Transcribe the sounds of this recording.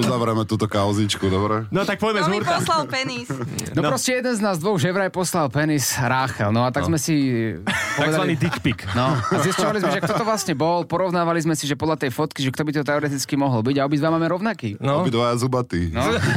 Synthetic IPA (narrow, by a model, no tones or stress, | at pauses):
uzaʋɾɛmɛt̪uːt̪ɔkaʊzit͡ʃkud̪ɔbɾɛnɔt̪ak̚pɔjɛmɛuɾɔlalpɛnisnɔpɾɔscɛjɛd̪ɛnznaːzd̪ʋɔɣʒɛʋɾajpɔslalpɛnisɾaːxɛlnɔat̪aɡzmɛsi | pɔaɡɛd̪azʋainiːd̪ikpiknɔzist͡ɕɔʋalizmɛʒɛkt̪ɔt̪ɔʋlasɲɛbɔlpɔɾɔʊnaːʋalizmɛsiʒɛpɔd̪lat̪ɛjfɔt̪kiʒɛkt̪ɔbit̪ɔt̪ɛɔɾɛt̪it͡skimɔɦɔlbiɟaɔbid̪ʋamaːmɛɾɔʊnakiːnɔbid̪ʋajazubat̪inɔ